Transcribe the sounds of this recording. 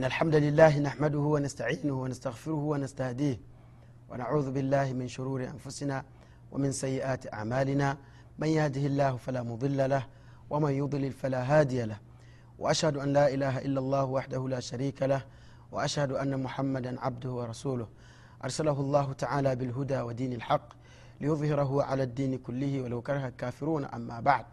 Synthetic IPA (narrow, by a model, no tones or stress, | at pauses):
ʔɪnːalħamd̪alɪlːaːɦɪnaħmad̪ʊhʊwanast̪aʕiːnʊhwanast̪aɣfɪɾʊhʊwanast̪ahd̪iːh | wʔa̰naʕuːðʊbɪlːaːhɪmɪnʃʊɾuːɾɪʔa̰nfʊsɪnaː | wʔa̰mɪnsajːɪʔaːt̪ɪʔa̰ʕmaːlɪnaː | manjahd̪ɪhɪlːaːhʊfalaːmʊd̪ˤɨlːalah | wʔamanjʊd̪ˤɨlɪlfalaːɦaːd̪ɪjalah | wʔa̰ʔaʃhad̪ʊʔanlaːʔɪlaːɦaʔɪlːalˤːɑːhwaħd̪ahʊlaːʃaɾiːkalah | wa̰ʔaʃhad̪ʊʔanːamʊħamːad̪anʕab̚d̪ʊhʊwɑɾˤɑsuːlʊh | ʔɑ̰ɾˤsalaɦʊlˤːɑːɦʊt̪aʕaːlaːbɪlɦʊd̪aːwad̪iːnalħɑqː | lɪjʊðˤhɪɾɑɦʊʕa̰laːd̪ːiːnɪkʊlːɪhɪwalawkɑɾˤɑɦalkaːfɪɾuːnʔa̰mːaːbaʕd̪̚